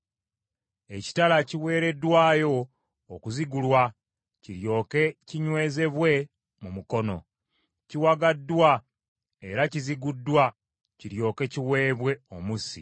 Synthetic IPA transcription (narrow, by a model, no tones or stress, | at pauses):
e̞ci̥talaciwe̞ːɾe̞dwaːjo̞ː | kuziɡulwa | ciɾjo̞ːke̞ciɲwe̞ːze̞βwe̞ | mumuko̞no̞ | ciwaɡadːwa | e̞ɾaciziɡudːwa | ciɾjo̞ːke̞ciwe̞ːβwe̞omusḭ